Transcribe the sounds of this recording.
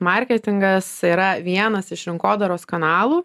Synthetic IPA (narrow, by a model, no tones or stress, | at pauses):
mɐɾʲkʲɛt̪ʲɪŋɡɐsiːɾɐʋʲiɛnɐsɪʃɾʲɪŋkoːd̪ɐɾoːskɐnɑːlˠuː